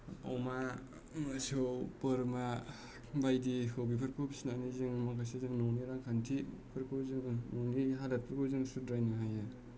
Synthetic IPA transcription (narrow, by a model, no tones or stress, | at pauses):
a̰wma | masɯwpɯɾma | bajdikʰɯwbipʰɯɾkʰowbisnanizɯŋmakʰasezɯŋnɔwniɾaŋkʰantʰipʰɯɾkʰowzɯŋnɔwniɦalat̚pʰɯɾkʰowzɯŋsudɾajnɯɦaja